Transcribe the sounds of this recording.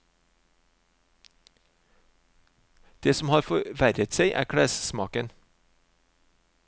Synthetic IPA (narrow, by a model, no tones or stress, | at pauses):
d̪̥eːsɔmhɑːɾfɔʋæɾət̪seɪʔæ̰ːɾkʰɽæssmɑ̰ːkən